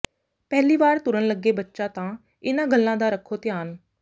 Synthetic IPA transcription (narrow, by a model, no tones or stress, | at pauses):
pɛːliːbaːɾt̪ʊɾənləɡːeːbətːʃaːt̪ãː | ɪnãːɡəlːãːd̪aːɾəkʰːoːt̪ɪjaːn